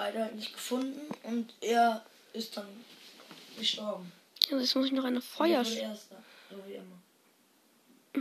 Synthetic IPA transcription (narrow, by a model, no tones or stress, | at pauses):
aɪɾdɐatnɪçt̚ɡ̥əfʊndn̩ʔʊntʔeːɐ | ʔɪst̚d̥an | ɡ̥əʃtɔɐbm̩ | azjɛsmʊsɪçnɔχaɪnəfɔʏɐeɐstzoːviːʔɪmɐ